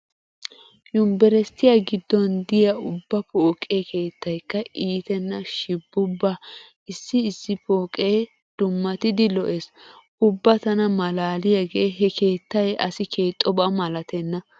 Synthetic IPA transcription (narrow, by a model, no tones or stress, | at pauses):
jʊmbɛɾɛst̪ːɪjaɡɪd̪ːɔnd̪ɪjɐʊbːɐpoːkʼːeke̞ːt̪ːɐjkːɐʔiːt̪ɛnːɐʃɪbːʊbːa | ɪsːɪːsːɪpoːkʼeː | d̪̥ʊmːɐt̪ɪd̪ɪlɔʔeːs | ʊbːɐt̪ɐnɐmɐlaːlɪjɐɡeːɦɛke̞ːt̪ːɐjʔɐ̰sɪke̞ːt̪ʼːɔbɐmɐlɐt̪ɛnːɐ